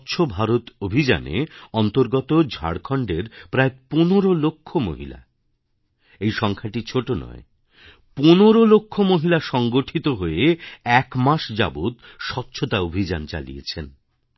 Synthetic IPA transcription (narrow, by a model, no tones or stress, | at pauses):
tːɕʰobʱaɾot̪obʱid͡ʑa̰nḛɔnt̪oɾɡɔt̪od͡ʑʱa̰ɽkʰɔɳɖeɾpɾaeponoɾolokʰːomo̰ɦila̰ | ejʃɔŋkʰaʈit͡ɕʰoʈonɔ̰e | ponoɾolokʰːomoɦilaʃɔŋɡoʈʰit̪oɦoeɛkmaʃd͡ʑa̰bud̪ʃɔt̪ːɕʰot̪aobʱid͡ʑant͡ɕa̰lḭjḛt͡ɕʰen